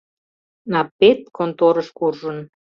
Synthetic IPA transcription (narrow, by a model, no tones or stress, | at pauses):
nɑpet̪̚kʰont̪oɾəʃkurʒən